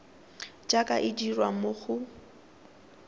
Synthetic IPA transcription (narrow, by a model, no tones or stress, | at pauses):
d͡ʒakʼaʔɪd͡ʒirwamoɣʊ